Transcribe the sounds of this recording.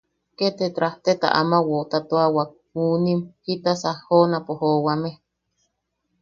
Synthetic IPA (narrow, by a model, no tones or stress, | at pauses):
ket̪et̪ɾaht̪et̪a̰ʔamawot̪at̪oawak̚ | uːnimhit̪asahhːonapohoːwame